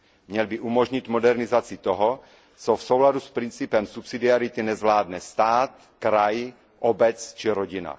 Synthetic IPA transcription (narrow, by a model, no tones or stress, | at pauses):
mɲɛlbɪʔumoʒɲɪt̪modɛɾnɪzat͡sɪt̪oɦo | t͡sofsowladuspɾint͡sipɛmsupsidiaɾɪt̪ɪnɛzvlaːdnɛst̪aːt̪ | kɾaj | ʔobɛt͡st͡ʃiɾoɟɪna̰